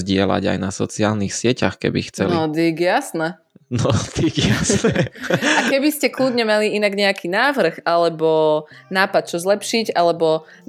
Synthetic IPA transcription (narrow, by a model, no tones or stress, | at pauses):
zɟɪɛla̰ɟa̰jnasɔ̰t͡siaːlnixsɪɛcaxkɛ̰bixt͡sɛnliɔd̪iɡjasnɛ | nɔt̪iɡjasnɛakɛbiscɛkluːd̪ɲɛmaliinaɡɲɛakʰiːnaːʋr̩ɣalɛbɔnaːpat̪̚t͡ʃɔzlɛpʃiɟalɛbɔ